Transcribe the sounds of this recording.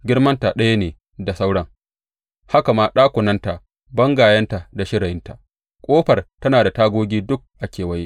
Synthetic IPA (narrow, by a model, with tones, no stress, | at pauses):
ɡʲɪ˦rmɐ˦nta˨ɗɐ˦ja˦neː˨ | da˨sa˦wɽɐ˦ŋ | ha˦ka˨maː˦ɗaː˦kʷʊ˨nɐ˦nta˨ʔ | bɐ˦ŋɡaː˨jɐ˦nta˨da˨ʃɪ˦ɽɐ˨jɪ˦nta˨ | kʷʼoː˦ɸɐ˨rtɐ˦naː˨da˨taː˦ɡʷoː˦ɡʲiː˦dʊ˦k̚ʔa˨kʲeː˨wɐ˦je˦